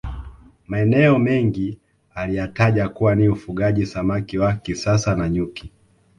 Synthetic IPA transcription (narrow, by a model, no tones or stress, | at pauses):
maɛnɛɔmɛŋɡi | alijataʄakuwaniufuɠaʄisamakiwakisasanaɲuki